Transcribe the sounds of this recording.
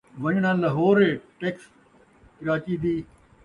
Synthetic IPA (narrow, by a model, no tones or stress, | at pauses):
ʋɐɲɽ̃ãːlɐɦoːɾeʈeːks | kɪɾaːt͡ɕid̪iː